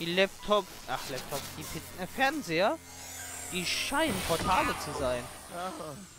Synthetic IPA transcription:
d̥iːlɛp̚tʰɔp | ʔaχlɛp̚tʰɔpd̥iːpʰɪtn̩əfɛɐnzeːɐ | d̥iːʃaɪnənpʰɔɐtʰaːlət͡suzaɪn

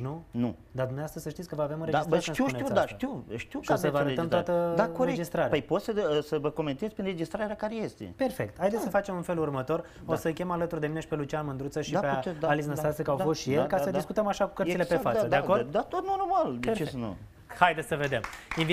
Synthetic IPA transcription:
nunu | d̪ad̪umneoast̪ɾəzsəʃt̪it̪sʲkəvəaveamunɾed͡ʒsəɾʃniwʃneiud̪aʃt̪iwʃt̪iwaosəvəaəeəmt̪wat̪əakoɾeed͡ʒist̪ɾaɾaəjpot̪səsəvəko̞ment̪ezʲpinred͡ʒist̪ɾaɾɾakaɾejest̪ḛpe̞rfe̞k̚t̪hajd̪et̪səfat͡ʃe̞munfe̞lurmət̪o̞r | osəkʲemalət̪urd̪emineʃi̥pe̞lut͡ʃianmɨnd̪ɾut̪səʃiapeeaalis̬nəst̪asekəawfo̞st̪ʃielkasəd̪iskut̪əmaʃaku̥kəɾt̪ile̞pefasəd̪eako̞rdd̪at̪ot̪̚nonrmald̪et͡ʃesnṵ | hajd̪esʲəved̪e̞min

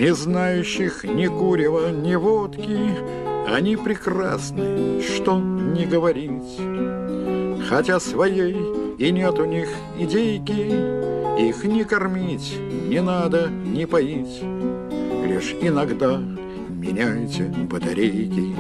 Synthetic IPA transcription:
nʲɪznajʉɕːɪxnʲɪkuɾʲɪvənʲɪvot̪kʲɪ | ɐnʲipɾʲɪkra̰snɨʂt̪onʲɪɡəvɐɾʲitʲ | xɐtʲasvɐjejɪnʲet̪ʊnʲix | ɪdʲejkʲɪ | ixnʲɪkɐrmʲitʲ | nʲɪnad̪ənʲɪpɐitʲ | lʲḭʂɪnɐɡd̪a | mʲɪ̰nʲæjtʲɪbət̪ɐ̰ɾʲejkʲɪ

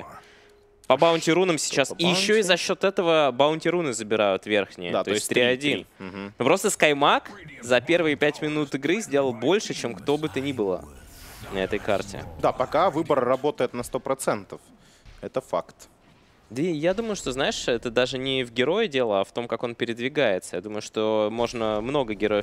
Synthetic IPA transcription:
pəbaʊnʲtʲɪɾunəmsʲɪ̥t͡ɕːasijɪɕːoizɐɕːo̞t̪ɛt̪əvəbɐʊnʲtʲɪɾunɨzəbʲɪɾajʊt̪vʲe̞rxnʲɪjə̰d̪at̪oɪsʲt̪ɾʲiɐdʲinm̩ɦ̩nupɾo̞st̪əskɐjmakzɐpʲe̞rvɨjəpʲætʲmʲɪnut̪ɨɡɾɨzʲdʲe̞lˠəlˠbo̞lʲʂɨt͡ɕe̞mkt̪o̞bɨt̪ənʲibɨlˠə̰nɐɛt̪əjka̰rtʲɪ̰d̪apɐkavɨbəɾːɐbo̞t̪əjɪt̪nɐst̪opɾɐt̪sɛnt̪əf | ɛt̪əfakt̪ | d̪əjad̪uməjʊʂt̪o̞znaɪʂɛt̪əd̪aʐɨnʲɪvɡʲɪɾo̞jədʲe̞lˠəaft̪o̞mkako̞npʲɪɾʲɪd̪vʲɪɡajɪt̪səjad̪uməjʊʂt̪o̞mo̞ʐnəmno̞ɡəɡʲɪɾo̞jəf

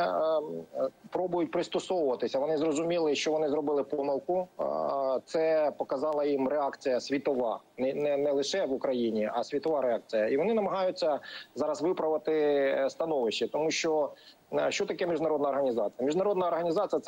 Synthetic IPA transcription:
pɾɔbʊjʊtʲpɾɪst̪ɔsɔwʊʋɐt̪ɪsʲɐʋɔnɪzrɔzʊmʲilˠɪʃt͡ʃɔʋɔnɪzɾɔbɪlˠɪpɔmɪlˠkʊ | t̪sɛpɔkɐzɑlˠɐjimɾeɑkt͡sʲijɐsʲʋʲit̪ɔʋɑ̰nɪnɛnɛlˠɪʃɛʋʊkɾɐjinʲiɐsʲʋʲit̪ɔʋɑɾeɑk̚t͡sʲijɐiʋɔnɪnɐmɐɦɑjʊt͡sʲːɐzɑɾɐsʋɪpɾɐʋɐt̪ɪst̪ɐnɔʋɪʃt͡ʃːɪt̪ɔmuʃt͡ʃɔ | ʃt͡ʃɔt̪ɐkɛmʲiʒdnɐɾɔd̪nɐɔrɦɐnʲizɑt͡sʲijɐmʲiʒdnɐɾɔd̪nɐɔrɦɐnʲizɑt͡sʲijɐt̪

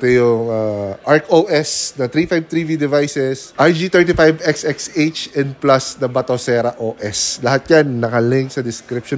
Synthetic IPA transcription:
t̪ojʊŋaʔaɹkoːʔɛsd̪ɐt̪ɾiːfajb̚t̪ɾivid̪ɪvajsɛsʔajd͡ʒiːt̪ɛɹt̪ifajbɛksʔɛkset͡ʃɛn̚plɐsd̪ɐbɐt̪osɛːɾɐʔoːʔɛslɐhat̪̚ɲanːɐkɐlɪŋksɐd̪ɪskɾɪp̚ʃo

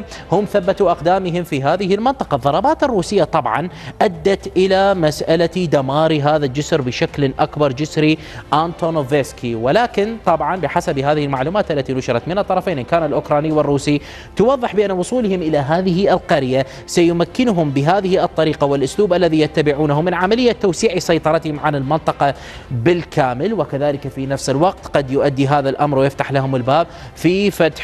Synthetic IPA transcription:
hʊmθabːat̪uʔaqd̪aːmɪɦɪmfiɦaːðɪɦɪlmɪnt̪ˤɑ̥qɑðˤːɑɾˤɑbaːt̪ɪrːuːsɪjːat̪ˤɑbʕɑ̰nʔad̪ːat̪ʔɪlamasʔalad̪amaːɾiɦaːðad͡ʒʊsɾbɪʃaklʔakbɑɾˤd͡ʒɪsɾi | ʔant̪onoveːskʰiwɪlaːkɪnt̪ˤɑbʕɑnbɪħasabɦaːðɪhɪlmaʕluːmaːt̪ʔalːat̪inʊʃɪɾˤɑt̪mɪnɨt̪ˤːɑɾˤɑfeːnʔɪnkaːnalʔʊkɾˤɑːniːwɪrːuːsi | t̪ʊwɑðˤːɨħbɪʔanːawʊsˤuːlhʊmʔɪlaɦaːðɪɦɪʔɪlqɑɾja | sajʊmakːɪnʊɦʊmbɪɦaːðɪhiʔɨt̪ˤːɑɾiːqawɪlʔʊsluːbʔalːaðijat̪ːabɪʕuːnaɦʊmːɪnʕamalɪjːat̪ːawsiːʕisˤɑjt̪ˤɑɾˤɑt̪hɪmʕanɪlmɪnt̪ˤɑqɑ | bɪlkʰaːmɪlwɪkaðaːlɪkafinafsɪlwɑq̚t̪qɑd̪jʊʔad̪ːiɦaːðalʔamɾˤwɪjɪft̪aħlaɦʊmɪlbaːb̚ | fifat̪ħ

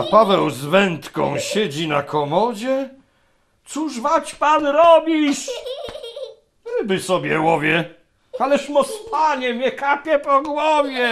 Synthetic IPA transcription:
apavɛwzvɛnt̪kɔ̰̃w̃ɕɛd͡ʑinakɔmɔd͡ʑɛ | t̪suʐvat͡ɕpanɾɔbʲiʂ | ɾɘbɘsɔbʲjɛwɔvʲjɛ | alɛʂmɔspʰaɲɛmʲɲɛkapʲjɛpɔɡwɔvʲjɛ

